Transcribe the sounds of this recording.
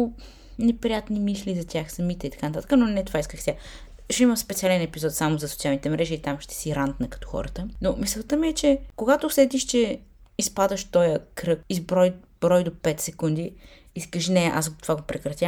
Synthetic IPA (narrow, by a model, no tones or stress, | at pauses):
nɛpɾijat̪nimislʲizɐt̪ʲjaxsɐmit̪ɛit̪ɐ̥kanɐt̪at̪ə̥kənonɛt̪ovaiskəxsʲa | ʃɛimɐspɛt̪sialɛnɛpizɔt̪samozɐsot̪sialˠnit̪ɛmɾɛʒiːt̪amʃt̪ɛ̥siɾant̪nəkɐ̥t̪ɔ̥xɔ̰ɾət̪ənomisɛlˠt̪əmiɛt͡ʃɛkoɡat̪osɛd̪iʃt͡ʃɛ | ispad̪əʃt̪ɔjəkɾɤkizbɾɔjbɾɔjd̪opɛt̪sɛkund̪i | iskəʃnɛʔa̰sɡt̪o̥vaɡopɾɛkɾɐt̪ʲja